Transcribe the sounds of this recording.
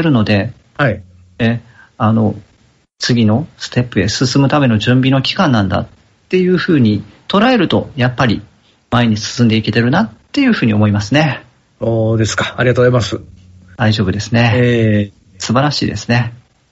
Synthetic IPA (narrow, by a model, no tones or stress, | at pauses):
eɾɯ̟no̞d̪e̞ | hai | e | ano̞ | t͡sɨɡʲino̞sɨ̥t̪e̞pːɯ̟e̞sɨsɨmɯ̟t̪ame̞no̞ʑɨ̃mbʲino̞kʲi̥kãnːãnd̪a̰ttː | e̞jɯ̟ːɸɯ̟ːɲ̟it̪o̞ɾae̞ɾɯ̟t̪o̞̰japːaɾʲḭ | maeɲ̟isɨ̥sɨ̃nd̪e̞ike̞t̪e̞ɾɯ̟nat̪ːe̞jɯ̟ɸɯ̟ːɲ̟io̞moimasɨne̞ | soːd̪e̞sɨ̥kḁaɾʲiɡat̪oːzaimasɨ | d̪̥aiʑo̞ːbɯ̟d̪e̞sɨne̞e | sɨbaɾaɕḭːd̪e̞sɨne̞